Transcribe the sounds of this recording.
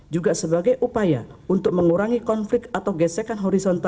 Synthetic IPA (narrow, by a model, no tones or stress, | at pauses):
d͡ʒuɡasəbaɡajʔupajaunt̪ʊk̚məŋuɾaŋikɔnflɪk̚t̪at̪awɡɛsɛkanɦɔɾisɔnt̪a